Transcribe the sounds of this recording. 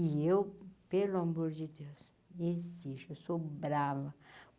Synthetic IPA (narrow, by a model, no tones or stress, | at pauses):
iewpeluamoɾd͡ʒɪd̪ews | eziʃewsobɾavɐ